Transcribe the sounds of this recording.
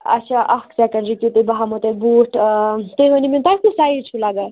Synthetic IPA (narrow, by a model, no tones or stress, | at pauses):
ɐ̰t̪ːt͡ʃʰaʔɐksɛkəɳɖɾikit̪ebɐɦamot̪ebuːʈt̪eɦonimint̪at̪isaiɾt͡ʃʰulaːɡal